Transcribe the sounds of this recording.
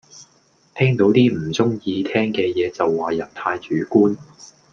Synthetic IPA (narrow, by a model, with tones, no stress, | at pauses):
t̪ʰɛː˥ŋt̪o˨˥wt̪iː˥m̩˨˩t͡sʊ˥ŋjiː˧t̪ʰɛː˥ŋkɛː˧jɛː˨˧t͡sɐ˨wːaː˨jɐ˨p̚t̪ʰaː˧jt͡ʃyː˨˥kuː˥n